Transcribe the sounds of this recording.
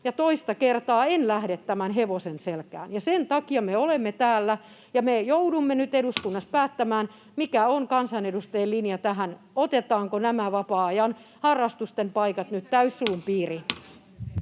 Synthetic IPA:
jɑt̪oist̪ɑkert̪ɑːenlæhɾet̪tæmænɦeʋosenselkæ̰ːnjɑsent̪ɑkiɑmeolemːet̪æːlːæ | jɑmejoudumːenyt̪eɾuskunːɑspæːt̪ːæmæːn | mikæoŋkɑnsɑnedust̪eelinjɑt̪æɦæn | ot̪et̪ɑːŋkonæmæʋɑpɑːɑjɑn | hɑrːɑst̪ust̪empɑikɑt̪nyt̪t̪æysːuːmpiːri

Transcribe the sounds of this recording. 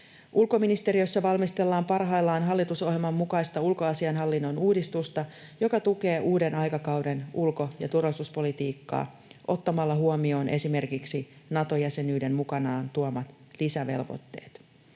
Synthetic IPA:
ʔulko̞minist̪e̞ɾiø̞sːɑʋɑlmist̪e̞lːɑːmpɑrɦɑjlːɑːnɦɑlːit̪uso̞ɦjelmɑmːukɑjst̪ɑulkoɑsiɑnɦɑlːinːo̞nuːdist̪ust̪ɑjo̞kɑt̪uke̞ːʔuːde̞nɑjkɑkɑwde̞nulko̞jɑ̰t̪urʋɑlisuspo̞lit̪iːkːɑ̰ː | ʔo̞t̪ːɑmɑlːɑɦuomio̞ːnʔe̞sime̞rkiksinɑt̪o̞jæse̞nyːde̞mmukɑnɑːnt̪uomɑt̪ | lisæʋe̞̰lʋo̞̰t̪ːe̞̰ːt̪

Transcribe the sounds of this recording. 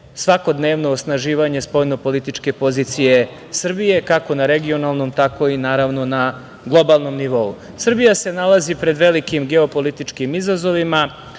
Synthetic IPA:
sʋako̞d̪neːʋno̞ːsnaʒiːʋaɲe̞spojno̞po̞lit̪it͡ʂke̞po̞zit̪sije̞ | sr̩bije̞kakonaɾe̞ɡio̞nalˠno̞mt̪ako̞inaːɾaʋno̞na | ɡlˠo̞balˠno̞mniʋo̞u | sr̩bijase̞nalazipɾe̞d̪ʋe̞likimɡe̞o̞po̞lit̪it͡ʂkimizazo̞ʋima

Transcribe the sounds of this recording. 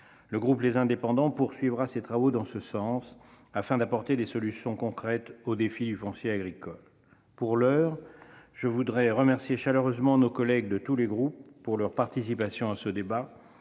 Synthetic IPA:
ləɡʁuplezɛ̃d̪epɑ̃d̪ɑ̃puʁsɥivʁaset̪χavod̪ɑ̃səsɑ̃s | afɛ̃d̪apɔʁt̪ed̪esɔlysjɔ̃kɔ̃kχɛt̪od̪efid̪yfɔ̃sjeaɡʁikɔl | puʁlœːʁʒ̥əvud̪ʁɛʁəmɛʁsjeʃaløʁøzmɑ̃nokɔlɛɡ̚d̪ət̪uleɡʁupːuʁlœʁpaʁt̪isipasjɔ̃asəd̪eba

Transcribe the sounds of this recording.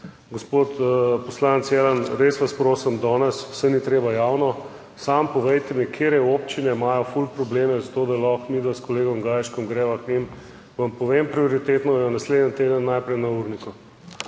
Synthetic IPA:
ɡospoːt̪pɔslanɛt̪sjɛlanɾesʋaspɾoːsɛmd̪ɔːnɛsw̥sɛnit̪ɾeːbajawnɔ | sampɔʋɛjt̪ɛmikʰeɾɛoːpt͡ʃinɛimaːjɔfulpɾɔbleːmɛzat̪oːd̪alɔxmiːd̪ʋaskɔleːɡɔmɡaːjʃkɔmɡɾɛːʋaknim | ʋampɔʋempɾioɾit̪eːt̪nɔjɛnasleːd̪ənt̪eːd̪ənːajpɾɛjnauɾniku

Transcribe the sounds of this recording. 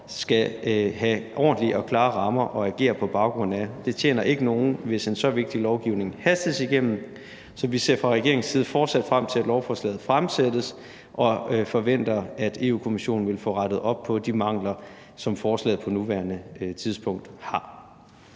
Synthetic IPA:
sɡ̥æɦæʔɒ̰ːnd̥liʔɒkʰlɑ̈ːʁɑ̈mɐʔɒ̽æɡ̥e̝̰ːɐpʰɒ̽b̥ɑ̈ʊɡ̥ʁɔ̽n̰̩æd̥e̝t͡ɕʰjḛːnɐʔe̝ɡ̥əno̝ːn̩ʋe̝se̝nsɒ̽ʋe̝ɡ̥̚d̥ilɒʊɡ̥iʊne̝ŋhæsd̥ð̩ˠsiɡ̥em̰n̩ | sɒ̽ʋise̝̰ɐfʁɑ̈ʁɛɡ̥e̝ɐeŋn̩siːð̞̩ˠəfɒːd̥sæd̥fʁam̰t͡sʰe̝læd̥lɒʊfɒːslɛ̰ːð̩ˠfʁamsed̥əs | ʔɒ̽fɒ̽ʋen̰d̥ɐæd̥e̝̰ːṵːkʰo̝miɕo̝̰ːn̩ʋe̝lfɔ̰̽ːʁɑɾ̥ð̩ˠɒ̽b̥̚pʰɒ̽d̥imɑ̈ŋ̰lɐ | sɒ̽mfɒːslɛ̰ːð̩ˠpʰɒ̽nuʋæːɐnət͡sʰiðˠsb̥ʰɔ̽ŋ̰d̥hɑ̈

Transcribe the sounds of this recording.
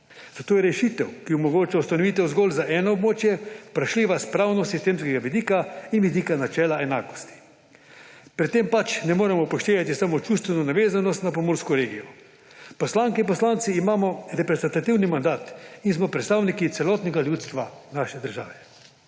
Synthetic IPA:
z̥at̪oːjɛɾɛʃit̪ɛwkiumɔɡoːt͡ʃawst̪anɔʋit̪̬ɛwzɡɔːlzaʔɛːnɔːbmoːt͡ʃjɛpɾaʃliːʋaspɾawnɔsist̪eːmskɛɡaʋid̪iːkainʋid̪iːkanat͡ʃɛːlaɛnaːkɔ̥st̪i̥ | pɾɛt̪ːempat͡ʃnɛmoːɾɛmɔpɔʃt̪eːʋat̪isamot͡ʃust̪ʋɛnɔnaʋeːzanɔst̪nap̬ɔmoːɾskɔɾeːɡijɔ | pɔslaːŋkɛinpɔslaːnt̪siːmaːmɔɾɛpɾɛzɛnt̪at̪iwnimand̪aːt̪ins̬mɔpɾɛt̪st̪awnikit̪sɛlɔːt̪nɛɡaljut̪st̪ʋanaːʃɛd̪əɾʒa̰ːʋɛ

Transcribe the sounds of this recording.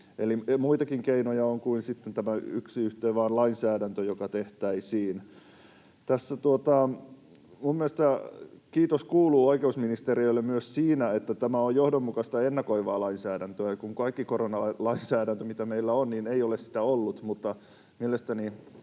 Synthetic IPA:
elimuit̪ɑkiŋkeinojɑoŋkuinsit̪ːent̪æmæyksiyht̪eːʋɑːnlɑinsæːɾænt̪øjokɑt̪eht̪æisiːn | t̪æsːæt̪uot̪ɑ | mummieest̪ækiːt̪oskuːluːoikeusminist̪erioilːemmyøssiːnæet̪ːæt̪æmæojjohdomːukɑst̪ɑenːɑkoiʋɑːlɑinsæːdænt̪øækuŋkɑikːikoronɑlɑinsæːɾænt̪ømit̪æmeilːæonniːneijolessi̥t̪æolːut̪mut̪ːɑ | mielest̪æni

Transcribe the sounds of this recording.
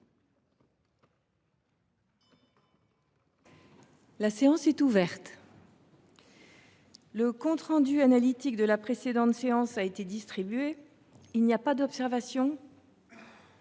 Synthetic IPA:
laseɑ̃sɛt̪uvɛʁt̪ | ləkɔ̃t̪χɑ̃d̪yanalit̪ik̚d̪əlapχesed̪ɑ̃t̪seɑ̃saet̪ed̪ist̪χibɥe | ilnijapad̪ɔpsɛʁvasjɔ̃

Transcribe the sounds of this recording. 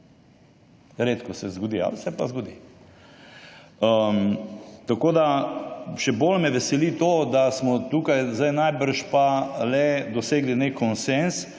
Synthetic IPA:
ɾeːt̪kɔsɛzɡɔd̪ia̰lsɛpazɡɔd̪ḭ | ə | t̪akoːd̪a | ʃɛbolmɛʋɛsɛlit̪od̪asmɔt̪ukajzd̪ajnajbəɾʃpalɛd̪ɔseːɡlinekʰːɔnsɛns

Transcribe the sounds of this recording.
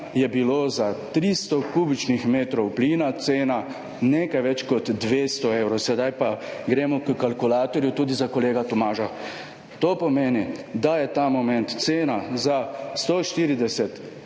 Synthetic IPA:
jɛbilozat̪ɾist̪ɔkuːbit͡ʃnixmeːt̪ɾɔwpliːnat̪seːna | neːkajʋɛt͡ʃkɔt̪d̪ʋeːst̪ɔewɾɔsɛd̪ajpaɡɾeːmɔkəkalkulaːt̪ɔɾjut̪uːd̪izakɔleːɡat̪ɔmaːʒa | t̪oːpɔmeːnid̪ajɛt̪aːmɔmɛ̃nt̪t̪seːnazast̪oʃt̪iːɾid̪ɛsɛt̪

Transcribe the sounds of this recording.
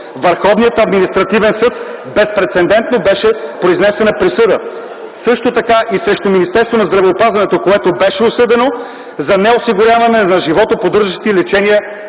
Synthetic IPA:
vəɾxɔvnijət̪ɐd̪minist̪ɾɐt̪ivɛnsɤt̪̚ | bɛspɾɛt̪sɛnd̪ɛnt̪̚nobɛʃɛpɾoiznɛsɛnəpɾisɤd̪ə | sɤʃt̪ot̪ɐkaʔisɾɛʃt̪ominist̪ɛɾst̪vonɐzd̪ɾɐvɛopazvɐnɛt̪okoɛt̪obɛʃɛosɤd̪ɛno | zɐnɛosiɡʊɾʲjavɐnɛnɐʒivɔt̪opod̪ɤɾʒəʃt̪ilɛt͡ʃɛniə

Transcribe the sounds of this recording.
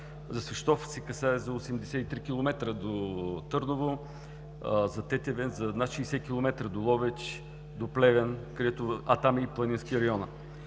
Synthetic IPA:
zɐsvɛʃt̪ɔfsɛkɐsaɛzɐosɛmd̪ɛsɛt̪it̪ɾikilˠomɛt̪ɾəd̪ot̪ɤɾnovo | zɐt̪ɛt̪ɛvɛnzɐnat̪ʃiːsɛkʲilˠomɛt̪ɾəd̪olˠɔvɛt͡ʃ | d̪oplɛvɛnkɐd̪ɛt̪oɐt̪amiːplˠɐninskʲiɾɐjɔnə

